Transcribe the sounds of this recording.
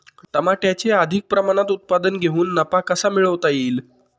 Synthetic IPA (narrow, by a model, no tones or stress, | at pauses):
t̪əmaʈjat͡ɕeəd̪ʱik̚pɾəmaɽ̃at̪ut̪̚pad̪ənɡʱeɦuːnːəpakəsamiɭəʋt̪aiːl